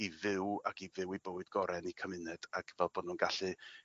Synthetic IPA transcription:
ivɪwaɡivɪwiboːɨdɡɔɾɛnikʰəmɪnɛd̥aɡvɛlˠboːdnunɡaɬɨ

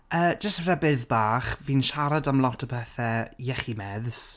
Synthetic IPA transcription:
əːd͡ʒəstr̥ɛbɨðbaːχviːnʃaɾadamlˠɔtʰəpʰɛθɛjɛχimɛðs

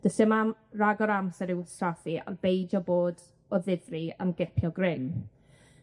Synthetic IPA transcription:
d̥əsɪmamraɡɔɾamsɛɾɪwstraθiʔa̰rbejd͡ʒɔboːd | ɔðɪðria̰mɡɛpʰjɔɡrɪŋ

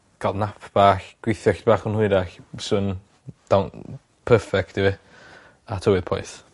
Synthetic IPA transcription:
ɡ̥alˠdnapʰb̥aːxɡ̥wɪθjɔxtbaːχənhʊɨɾaxsɨn | d̥awn | pʰəːfɛk̚tɪwi | atʰəwɨð̥pʰɔ̰ɨθ

